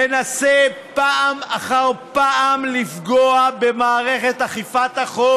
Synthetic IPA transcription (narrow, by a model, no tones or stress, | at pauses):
enasepaʔamaχaʁpaʔamlifɡoabe̞maːʁe̞χet̪aχifat̪aχo